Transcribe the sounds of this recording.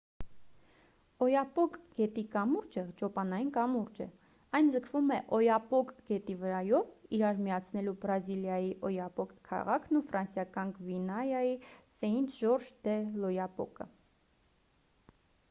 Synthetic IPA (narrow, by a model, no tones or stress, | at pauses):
ɔjɑpɔkɡ̥ɛt̪ikɑmuɾd͡ʒəd͡ʒɔpɑnɑjinkɑmuɾd͡ʒɛ̰ | ɑjnd͡zəkʰvumɛʔɔjɑpɔkɡ̥ɛt̪ivəɾɑjɔviɾɑɾmijɑt͡sʰnɛlubɾɑziljɑjiʔɔjɑpɔkkʰːɑ̰ʁɑkʰnufɾɑnsjɑkɑnɡvinɑjɑjisɛjint͡sʰʒɔɾʒd̪ɛlɔjɑpɔ̰kə̰